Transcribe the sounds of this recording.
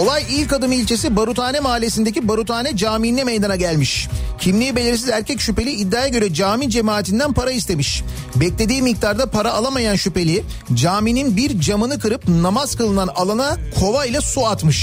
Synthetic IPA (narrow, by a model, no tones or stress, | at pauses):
olˠajilʲkad̪ɯmilʲt͡ʃʰe̞s̬ibaɾut̪ʰaːnɛmaːlʲesind̪e̞cʰibaɾut̪ʰaːnɛd͡ʒaːmiinɛmejd̪anaɟælʲmiʃcʰimlʲijibelʲeɾisizæɾcʰɛcʃype̞lʲiːd̪ːaːjaɟø̞ɾɛd͡ʒaːmid͡ʒe̞maːt̪ʰind̪ænpʰaɾaist̪e̞miʃ | bɛclʲe̞d̪iːmik̚t̪ʰaɾd̪apʰaɾaːlˠamajanʃype̞lʲi | d͡ʒaːmininbiɾd͡ʒamɯnɯkɯɾɯp̚namaz̥kɯlˠɯnanalˠanakʰo̞vajlʲˠasuat̪mɯʃ